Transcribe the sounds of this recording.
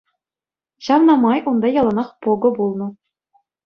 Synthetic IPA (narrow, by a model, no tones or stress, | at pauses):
ɕɑʋnɑmɑjʔund̪ɑjɑlˠɑnɑχpoɡɤ̆bulˠnɤ̆